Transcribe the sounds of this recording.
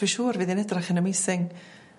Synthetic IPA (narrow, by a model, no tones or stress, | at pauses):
iʃuːrviːðɪnɛdraχənəmejsɪŋ